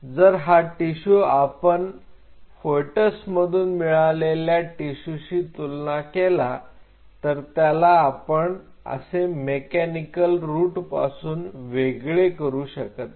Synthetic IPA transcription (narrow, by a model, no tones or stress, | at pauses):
d͡zəɾɦaʈiɕuapəɳ | foʈəsməd̪ʱuːnmiɭaleljaʈiɕuɕiːt̪ulnakela | t̪əɾt̪jalaːpəɳ | ə̰semekænikəlɾuːʈpa̰suːnʋeɡɭekəɾuːɕəkət̪̚